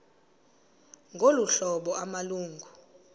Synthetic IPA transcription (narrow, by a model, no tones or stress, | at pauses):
ŋɡʱoluɬɔɓɔamaluːŋɡʱu